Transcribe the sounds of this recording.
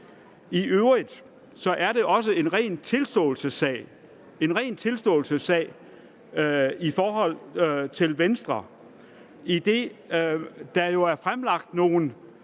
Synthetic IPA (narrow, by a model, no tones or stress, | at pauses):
iʔøʊʁid̥ | sɒ̽ʔæɐɾe̝ʔɒ̽s̬əe̝nʁɛ̰ːnt͡sʰe̝lsd̥ɔ̰̽ːl̩səsɛ̰ːɪ | e̝nʁɛ̰ːnt͡sʰe̝lsd̥ɔ̰̽ːlsəsɛ̰ɪ | ifɒːɦɒ̽l̰t͡sʰe̝lʋensd̥ʁɐ | id̥e̝ | d̥ɑjo̝æɐfʁamlɑ̈ɡ̥̚d̥no̝ːn̩